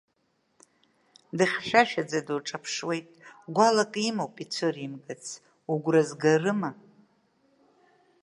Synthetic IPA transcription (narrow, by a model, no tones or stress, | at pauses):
dɨχʲʃᶣaʃᶣad͡zadɨʈ͡ʂʼapʰʂwe̞jtʼɡʷalakʼimowpʼit͡sʷʰɨrimɡɨt͡sʰ | uɡʷrazɡarɨma